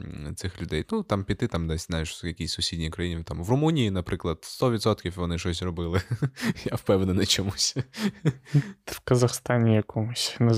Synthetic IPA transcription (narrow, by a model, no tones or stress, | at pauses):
t̪sɪxlʲʊd̪ɛjnut̪ɑmpʲit̪ɪt̪amd̪ɛsʲznajɪʂjɐkʲisʲsʊsʲidʲnʲijʊkɾɐjinʲɪt̪amʋrʊmunʲijinɐpɾɪklˠɐd̪st̪ɔʋʲit̪sɔt̪kʲifʋɔnɪʃɔsʲrɔbɪlˠɪjafpɛwnɛnɐt͡ʃɔmusʲ | fkɐzɐxst̪ɑnʲɪjɐkɔmʊsʲnɐ